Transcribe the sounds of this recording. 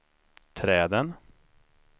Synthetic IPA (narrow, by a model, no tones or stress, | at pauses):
t̪ʰɾɛːd̪ən